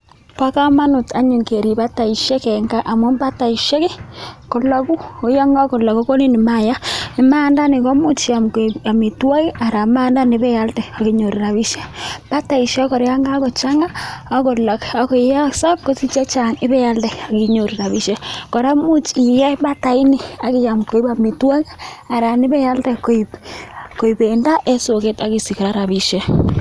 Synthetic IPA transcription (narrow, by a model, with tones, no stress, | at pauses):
pa˦ka˦ma˦nʊ˨ta˨ɲu˨ŋke˨ɾi˨ba˦ta˨i˨ʃɛ˦kɛ˨ŋɡa˦ʔa˨mo˦mba˦ta˨i˨ʃɛ˦ke˦ko˨la˨ku˦o˨˦ja˦ŋɡa˦ko˨la˨ko˦ko˦ni˦ni˨ma˦˨ja˦i˨maː˦nda˦ne˨kɔ˦mu˦t͡ʃa˨mke˨a˨mi˨twa˦i˦ʔa˨ɾa˨maː˦nda˦ni˦bɛ˦ja˦ltɛ˨a˨ki˨˦ɲo˨ɾi˨ɾa˨βi˦ʃɛ˦pa˦ta˨i˨ʃjɛ˦kɔ˨ɾa˦ŋɡa˦kɔ˨t͡ʃa˦ŋa˦a˦ko˨la˨ka˨ko˨i˨ja˦sa˦p̚ko˦si˦t͡ʃe˦t͡ʃa˨nɪ˦βɛ˦ja˦ldɛ˨a˨ki˦ɲo˨ɾi˨ɾa˨βi˦ʃɛ˦kɔ˨ɾa˦mu˦t͡ʃi˨jɛ˦ba˦ta˨i˦ni˦˨a˨ki˦ja˨mko˨˦i˦ba˨mi˨twa˦ki˦a˨ɾa˨ni˦βɛ˦ja˦ltɛ˨ko˨i˨pko˨i˨be˨nda˦ʔe˦so˨ke˦ta˨ki˦si˨ki˨ɾa˦ɾa˨βi˦ʃɛ˦